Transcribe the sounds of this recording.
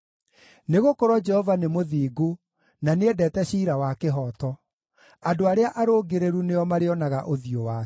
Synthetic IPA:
neɣokoɾwɔd͡ʒɛhɔvanemoðiːɡo | naneɛdɛːtɛɕiːɾawakeɦɔːtɔ | adoaɾeaʔaɾoːɡeɾeɾunejɔmaɾeɔnaɣaʔoðiowaː

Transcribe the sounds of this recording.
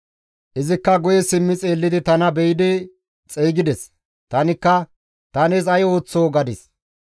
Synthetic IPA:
ʔɪzɪkːɐɡʊjɛsɪmːɪt͡sʼeːlːɪd̪ɪt̪ɐnɐbɛjɪd̪ɪ | t͡sʼeːɡɪd̪ɛs | t̪ɐnɪkːɐ | t̪ɐnɛzɐjo̞ːt͡sːoːɡɐd̪ɪs

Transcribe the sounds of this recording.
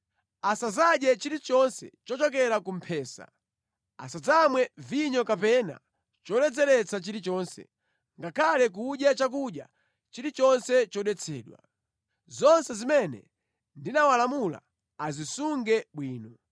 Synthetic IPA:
asazaɗɛt͡ʃiɾit͡ʃɔnsɛ̰t͡ʃɔt͡ʃɔk̬ɛɾakum̩pʰɛːsa̰ | a̰sad͡zamwɛviɲɔkapɛna̰ | t͡ʃɔɗɛd͡zɛɾɛt͡sʰat͡ʃiɾit͡ʃɔːnsɛ̰ | ŋɡakʰalɛk̬uɗjat͡ʃak̬uɗja | t͡ʃiɾit͡ʃɔnsɛt͡ʃɔɗɛt͡sʰɛːɗwa̰ | zɔnsɛzimɛnɛ̰ | ndinawalamula̰ː | zisuŋɡɛɓwiːnɔ

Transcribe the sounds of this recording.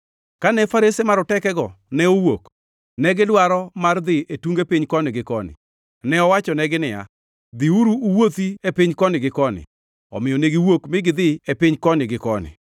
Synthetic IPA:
kanɛfaɾesemaɾɔtɛkɛɡɔnɛowok | nɛɡɪlwaɾɔmard̪ɪetuŋɡepɪɲkɔnɪɡɪkɔnɪ̰ | nɛɔwat͡ʃɔnɛɡɪnɪja̰ | d̪ɪuɾuːwot̪iepɪɲkɔnɪɡɪkɔnɪ̰ | ɔ̰mɪjɔneɡɪwokmɪɡɪd̪ɪepɪɲkɔnɪɡɪkɔnɪ̰

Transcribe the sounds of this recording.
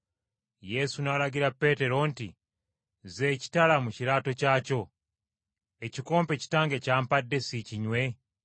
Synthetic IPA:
je̞sunalaɡiɾape̞te̞ɾo̞ntḭ | zeci̥talamuciɾaːto̞caːco̞ | eciko̞ːmpe̞ci̥taːŋɡecaːmpadːe̞siciɲwe̞

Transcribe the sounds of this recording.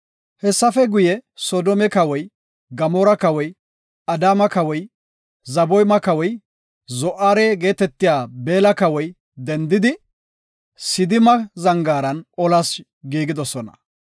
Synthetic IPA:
hɛsːɐfɛɡʊjɛsɔːd̪ɔmɛkɐwɔj | ɡɐmɔːɾɐkɐwɔj | ɐd̪aːmɐkɐwɔj | zɐbɔjmɐkɐwɔj | zɔʔaːɾeɡe̞ːt̪ɛt̪ːɪjaːbe̞ːlɐkɐwɔj | d̪ɛnd̪ɪd̪ɪ | sɪd̪ɪmɐzɐŋɡaːɾɐnɔlɐs | ɡiːɡɪd̪ɔsɔnɐ̥̰

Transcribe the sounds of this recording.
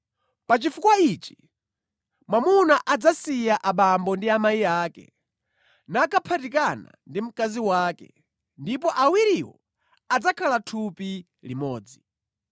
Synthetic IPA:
pat͡ʃifukwait͡ʃi̥ | mamunaʔad͡zasijaʔaɓambɔndiamaiaːkɛ̰ | nakʰapʰatikana̰ndim̩kaziwaːkɛ̰ | ndip̬ɔʔawiɾiwɔ̰ | ad͡zakʰalatʰupi | limɔːd͡zi

